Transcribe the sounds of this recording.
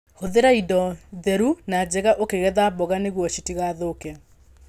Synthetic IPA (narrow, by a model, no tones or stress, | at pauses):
hoðeɾaidɔðɛɾunad͡ʑɛɣaʔokeɣɛðabɔɣaneɣwɔʃitiɣaðokɛ